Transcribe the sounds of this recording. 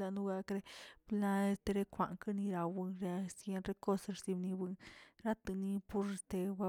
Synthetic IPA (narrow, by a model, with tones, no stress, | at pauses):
a˧nu˦ɡa˧kɾe˦bla˧e˧st̪e˧ɾe˦kʷa̰˨ŋka˦ni˧ɾa˧bɨ˧nɾe˧a˧sje˦nɾe˦ko˦ssi˧bni˧bɨ˧nɾa˦t̪ɨ˧ni˦pu˦ɾe˧st̪e˧ba˦